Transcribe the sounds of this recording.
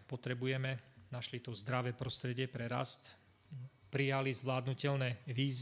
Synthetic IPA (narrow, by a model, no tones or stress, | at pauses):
pɔt̪ɾɛbujɛmɛnaʃlit̪ɔzd̪ɾaʋɛːpɾɔst̪ɾɛɟɪɛpɾɛɾa̰st̪ | pɾijalizʋlaːd̪nucɛlnɛːʋiːz